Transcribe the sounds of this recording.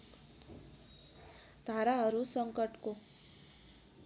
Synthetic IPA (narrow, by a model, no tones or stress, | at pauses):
t̪aɾaəɾusəŋkəʈko